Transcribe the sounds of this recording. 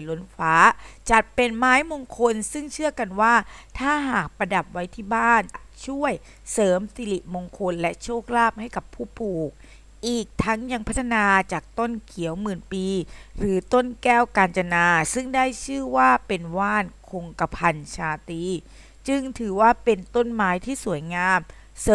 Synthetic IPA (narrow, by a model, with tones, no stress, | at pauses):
lo˨˦˥nfaː˦˥t͡ɕa˨˩t̪̚pe˧nmaː˦˥jmoː˧ŋkʰo˧nsɯ˥˩ŋt͡ɕʰɯ˥˩ɐka˧nwaː˥˩t̪ʰaː˥˩ɦaː˨˩k̚pa˧da˨˩p̚wa˦˥jt̪ʰiː˥˩baː˥˩n | t͡ɕʰu˥˩əj | sɤː˩˦msi˧li˨˩moː˧ŋkʰo˧nlɛ˦˥ʔt͡ɕʰoː˥˩k̚laː˥˩p̚ha˥˩jka˨˩pʰuː˥˩puː˨˩k̚ | ʔiː˨˩k̚t̪ʰa˦˥ŋja˧ŋpʰa˦˥t̪ʰːa˧naː˧t͡ɕaː˨˩k̚t̪o˥˩nkʰi˨˩˦əwmɯː˨˩npiː˧ɾɯː˩˦t̪o˥˩nkɛː˥˩wkaː˧nt͡ɕa˧naː˧sɯ˥˩ŋdaː˥˩jt͡ɕʰɯː˥˩waː˥˩pe˧nwaː˥˩nkʰo˧ŋka˧pʰa˧nt͡ɕʰaː˧t̪iː˧ | t͡ɕɯ˧ŋt̪ʰɯː˩˦waː˥˩pe˧nt̪o˥˩nmaː˦˥jt̪ʰiː˥˩su˨˩˦əjŋaː˧m | s